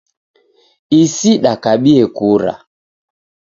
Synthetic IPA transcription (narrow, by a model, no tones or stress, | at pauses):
isiɗakaɓiɛkuɾa̰